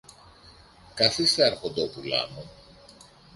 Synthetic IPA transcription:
kɐθisθeɐɾxo̞nd̪o̞pulɐ̰no

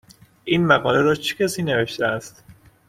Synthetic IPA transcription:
ʔiːnmæɣɒːleɾɒːt͡ʃʰecʰʲæsiːneve̞ʃt̪eæst̪

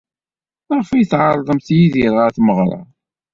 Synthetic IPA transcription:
ʁˤfijθʕɑɾˤðˤəmθjiðiɾʁaθməʁɾˤɑ̰

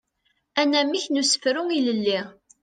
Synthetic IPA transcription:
ænæmiçnusə̥fɾʊŋiləlːiʁ

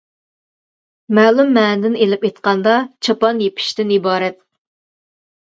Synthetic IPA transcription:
mæːlˠumːɛːnd̪ɪnelɪpet̪qɑnd̪ɑt͡ʃʰɑpɑnjepʰɪ̥ʃt̪ɪnibɑːɾɛt̪̚

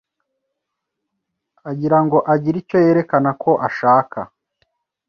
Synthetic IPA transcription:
aɟiɾaŋɡo̞ʔaɟiɾico̞je̞ːɾe̞kanakʰo̞ʔaʃaːkʰa̰

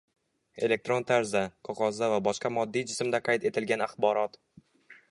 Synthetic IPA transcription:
e̞le̞k̚t̪ɾo̞nt̪ʰaɾzaqʰɒqʰɒzd̪avabɒʃqɑmɒd̪ːijd͡ʒɪsmd̪aqʰɑjt̪e̞t̪ʰɪlɡʲanaχbɒɾɒt̪

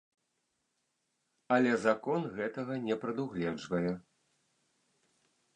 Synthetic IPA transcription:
ɐlʲɛzakɔnɣɛt̪ɐɣɐnʲɛpɾɐd̪uɣlʲɛd͡ʐvɐjɛ

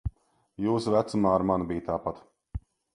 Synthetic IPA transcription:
juːsvæt̪sumaːaɾmanbijt̪aːpat̪

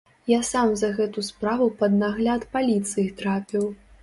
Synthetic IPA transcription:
jasamzɐɣɛt̪uspɾavupɐd̪naɣlʲat̪palʲit̪sɨjit̪ɾapʲiw

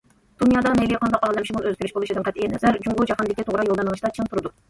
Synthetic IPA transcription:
d̪̥unjɑd̪ɑnɛliqʰɑnd̪ɑqɑlɛmʃimunøzkʲyɾɪʃbolˠuʃid̪ɨnqʰɛt̪ʔinɛzæɾd͡ʒuŋʁud͡ʒɑhɑnd̪ɪkʲit̪ʰoʁɾɑjolˠd̪ɑnəʁɨʃt̪ɑt͡ʃʰɨnt̪ʰuɾɨd̪u

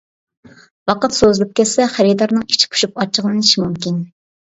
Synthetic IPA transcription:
wɑqət̪sozɨlˠɨp̚kʲʰɛsɛχæɾid̪ɑɾnɨŋit͡ʃʰi̥pʰʊ̥ʃup̚ɑt͡ʃʰːəʁlˠɨnɨʃimumkʲin

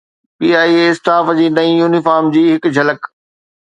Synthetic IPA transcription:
piːaːiːeɪsʈaːfd͡ʑiːnɐĩjuːnɪfaːɾmd͡ʑiːɦɪkd͡ʑʱɐlək

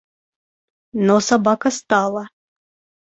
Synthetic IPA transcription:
nosabakɐst̪ɑlˠɐ

